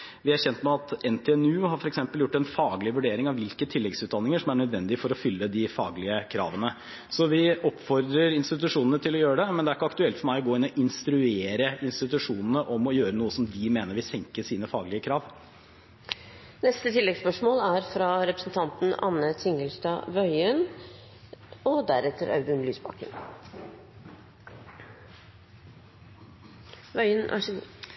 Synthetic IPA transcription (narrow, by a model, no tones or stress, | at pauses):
ʋɪæɾçɛnt̪mɛɑt̪ɛnt̪ʰɛɛnʉːhɑɾfɔɾɛksɛmpəljʊʈːɛnfɑːɡlɪʋʉɖeːɾɪŋɑʋɪlkət̪ʰɪlːɛɡsʉːt̪d̪ɑnːɪŋəʂɔmæɳœd̪ʋɛnd̪ɪfɔɾɔfʏlːəd̪ɪfɑ̰ːɡlɪəkʰɾɑ̰ːʋənə | sɔʋɪɔpfɔɾd̪ɾəɾɪnst̪ɪt̪ʉʂuːnənət̪ʰɪlɔjøːɾəɖɛmɛnd̪ɛæɾɪkːəɑkt̪ʉɛlt̪fɔɾmæɪɔɡoːɪnːɔʔɪnst̪ɾʉeːɾəɪnst̪ɪt̪ʉʂuːnənəʔɔmɔjøːɾənuːəsɔmd̪ɪmeːnəɾʋɪsɛŋkəsiːnəfɑːɡlɪəkʰɾɑːʋ | nɛst̪ət̪ʰɪlːɛɡspœʂmoːlæɾfɾɑɾɛpɾəsn̩t̪ʰɑnt̪n̩ɑ̰nːət̪ʰɪŋəlst̪ɑʋœʏən | ɔd̪æɾɛt̪ʰːəɾɑ̰ʉd̪ʉnlyːsbɑ̰kə̰n | ʋœʏənʔæ̰